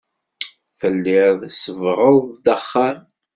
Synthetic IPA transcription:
θəlːɪɾðəsəvʁˤoðˤd̪əχːan

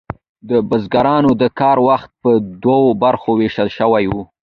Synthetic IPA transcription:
d̪əbəzɡaɾɑnod̪əkɑɾwaxt̪̚pəd̪wawobaɾxoweʃəlʃəwajwu

